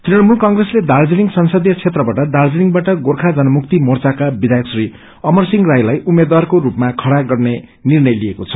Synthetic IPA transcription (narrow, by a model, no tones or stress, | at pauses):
t̪riʌɽmulkʌŋɡresled̪ard͡ziniŋsʌnsʌd̪jʌt͡sʰet̪rʌbaʈʌd̪ard͡zeniŋɡbaʈʌɡorkʰad͡zʌnʌmuk̚t̪imort͡sakabid̪ʱajʌksri | ʌmʌrsiŋɡrajlajʔumːed̪warkoɾupmakʰʌɽaɡʌrne | nirnʌjliekot͡sʰʌ̥